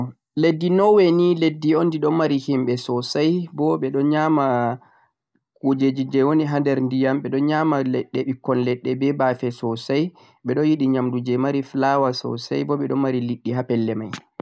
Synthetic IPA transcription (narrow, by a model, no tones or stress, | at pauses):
ledːinɔwɛniledːiɔndiɗɔmaɾihimɓɛsɔsajbɔɓɛɗɔnɲama | kod͡ʒed͡ʒid͡ʒɛwoniɦandɛɾndijamɓɛɗɔnɲamalɛɗːɛɓikːɔnlɛɗːɛbɛbafɛsɔsaj | ɓɛɗɔnjiɗiɲamdud͡ʒɛmaɾiflawasɔ̰sajbɔɓɛɗɔnmaɾiliɗːiɦapɛlːɛmaj